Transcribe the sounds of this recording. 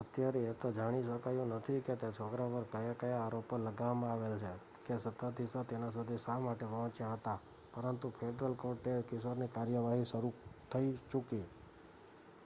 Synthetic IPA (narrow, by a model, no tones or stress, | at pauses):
ət̪jaɾet̪od͡ʒaɽ̃iʃəkajũnət̪ʰiket̪et͡ʃʰoɡɾapəɾkəjakəjaːɾopələɡaʋmãaʋelt͡ʃʰe | kesət̪ad̪ʱisat̪enas̬ud̪ʱisamaʈeʋɔ̃ɦt͡ʃjãɦət̪a | pəɾənt̪upʰeɖɾəlkoɖ̚t̪ekɪsəɾnikaɾjəʋaɦiʃəɾut̪ʰəit͡ʃuki